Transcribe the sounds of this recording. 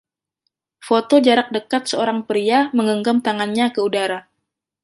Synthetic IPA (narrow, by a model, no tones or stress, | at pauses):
fot̪od͡ʒaɾak̚dəkat̪̚səoɾaŋpəɾiaməŋəŋɡamt̪aŋanɲakəudaɾa